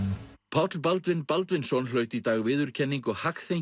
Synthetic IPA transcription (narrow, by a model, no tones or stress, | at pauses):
pʰawt̪lpalt̪vɪnpalt̪vɪnsɔwnlœːɥt̪it̪aːɣvɪːðʏɾ̥cʰɛnːiŋkɔɣhakθejɲ